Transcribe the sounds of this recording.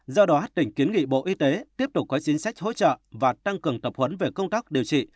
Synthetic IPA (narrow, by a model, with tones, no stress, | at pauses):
zɔ˧ɗɔ˨˦ɦa˦˥t̚t̪ï˧˩ŋ̟ki˨˦ənŋḭ˧˨ɓo̰˧˨ʔi˧t̪e˨˦t̪i˦˥əp̚t̪ʊ˨˩k͡p̚ːɔ˨˦t͡ɕi˨˦ŋsa˦˥jk̟̚ɦo̰˧˥t͡ɕə̰ː˧˨vaː˨˩t̪a˧ŋkɨ˨˩əŋt̪ə˨˩p̚hwə˨˦nve˨˩kə˧wŋ͡mt̪aː˦˥k̚ɗi˨˩əwt͡ɕḭ˧˨